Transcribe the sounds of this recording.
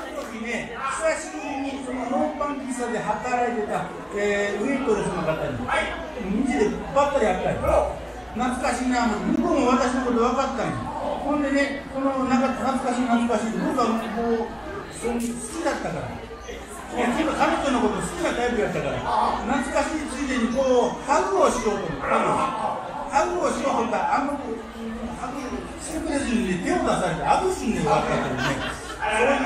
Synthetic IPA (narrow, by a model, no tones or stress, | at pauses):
onot̪okʲine̞ | saɕiiːiso̞no̞noːpãŋkʲisad̪e̞ɦat̪aɾaet̪e̞t̪a | eːɯ̟it̪od̪esonakat̪ːaɾʲḭ | mmid͡ʑid̪e̞bat̪ːaɾʲiat̪ːaɾʲi | nat͡sɨ̥kaɕiːnanomikõŋaβat̪aɕino̞ko̞t̪o̞βakat̪ːãnhõ̞nd̪e̞ne̞ko̞no̞nakanat͡sɨ̥kaɕiːnat͡sɨ̥kaɕiːt̪ob̪okammoː | sosɨ̥kʲid̪at̪ːakaɾa̰ | kikakamʲit̪onoko̞t̪osɨ̥kʲiɡat̪aibɯ̟jat̪ːakaɾa̰nat͡sɨ̥kaɕiːt͡sɨːd̪eɲːikoːhaɡɯoɕio̞ːt̪okaɡɯ | haɡɯoɕioːt̪okaʔamːak | haɡɯ | sikɯɾeʑininet̪e̞od̪asaɾet̪eaɡɯsɨ̃nd̪ekaat̪ːak̪ːed̪one | ko